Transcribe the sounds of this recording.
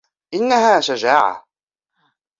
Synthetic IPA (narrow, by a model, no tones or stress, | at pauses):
ʔɪnːaɦaːʃad͡ʒaːʕa̰